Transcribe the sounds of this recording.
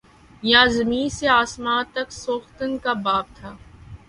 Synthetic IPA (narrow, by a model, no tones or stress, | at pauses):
jãːzəmĩːseaːsmãːt̪ɐksoːxt̪ənkabaːb̚t̪ʰaː